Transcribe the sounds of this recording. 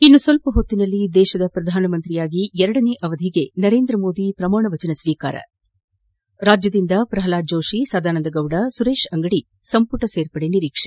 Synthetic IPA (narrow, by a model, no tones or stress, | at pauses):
inːusʋɐlpɐɦot̪ːinɐlːid̪ɛːʃɐd̪ɐpɾɐd̪ʱaːnɐmɐnt̪ɾijaːɡiɛɾɐɽɐne̞ʔɐʋɐd̪ʱiɡe̞nɐɾe̞ːnd̪ɾɐmoːd̪ipɾɐmaːɳɐʋɐt͡ʃɐnɐsʋiːka̰ːɾɐ̰ | ɾaːd͡ʒjɐd̪ind̪ɐpɾɐɦɐlaːd͡ʒoːʂisaːd̪ʱaːnɐnd̪ɐɡɐwɽɐsuɾe̞ːʃɐŋɡɐɽi | sɐmpuʈɐseːɾpɐɽeniɾiːkʂe